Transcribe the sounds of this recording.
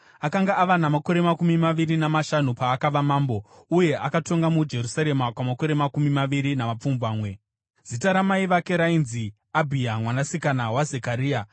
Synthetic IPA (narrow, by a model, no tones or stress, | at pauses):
akaŋɡaʔːʋanamako̞ɾe̞makumimaʋirinamaʃanupaːkaʋamaːmbo̞ | uje̞ʔakato̞ŋɡamud͡ʒe̞rusaɾe̞makwamako̞ɾe̞makumimaʋiɾinamap͡fumbaːmwe̞ | zitaɾamaiʋake̞ɾainzi | abʱiamwanasikanawazekaɾiːa